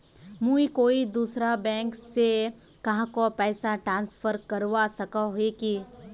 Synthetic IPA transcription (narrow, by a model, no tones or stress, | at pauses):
mũːikoːid̪uːsɾabɛ̃ːŋkse | kɐɦãkopɛːsaʈɾãːnsfʰəɾkɐɾwasɐkaɦeki